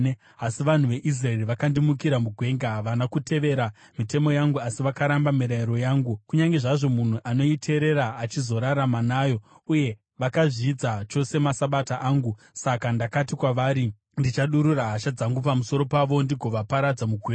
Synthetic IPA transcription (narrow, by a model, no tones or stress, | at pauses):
asiʋan̤uʋe̞ʔis̬raeriʋakandimukiɾamuɡʱwe̞ːŋɡaʋanakute̞ʋe̞ɾa | mite̞mo̞jaŋɡuasiʋakaɾambamiɾaiɾo̞jaːŋɡukuɲaŋɡe̞ʐaʐo̞mun̤uʔano̞itʰe̞ɾe̞ɾaːt͡ʃizo̞ɾaɾamanaːjo̞ | uje̞ | ʋakaʐiːd͡zat͡ʃo̞se̞masaɓataʔaːŋɡu | sakandakatikwaʋaːɾi | ndit͡ʃaɗuɾuraɦaʃad͡zaŋɡupamuso̞ɾo̞paʋo̞ndiɡʱo̞ʋapaɾad͡zamuɡʱweːa